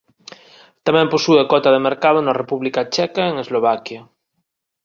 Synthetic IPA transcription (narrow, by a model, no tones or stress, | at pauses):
t̪amɛ̃mpusuekɔt̪ɐðemeɾkað̞onarepuβlikat͡ʃɛkaeŋezloβ̞akjɐ